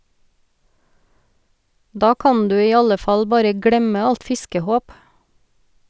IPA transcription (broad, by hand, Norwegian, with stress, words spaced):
ˈdɑː ˈkɑn ˈdʉː ˈiː ˈɑlə ˈfɑl ˈbɑːɾə ˈɡɽɛmə ˈɑlt ˈfɪskəˌhoːp